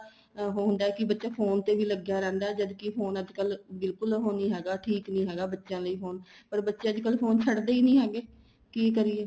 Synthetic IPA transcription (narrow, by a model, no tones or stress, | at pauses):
ɦɦʊ̃nd̪aːɛːkɪbətːʃaːpʰoːnt̪eːbiːləɡjaːɾɛ̃ːnd̪aːɛːd͡ʒəd̪kɪpʰoːnəd͡ʒkəlbɪlkʊlɦoːnĩːɦɛːɡaːʈʰiːknĩːɦɛːɡaːbətːʃjãːləiːpʰoːnpəɾbətːʃẽːəd͡ʒkəlpʰoːnt͡ʃʰəɽd̪eːiːnĩːɦɛːɡeː | kiːkəɾiːɛː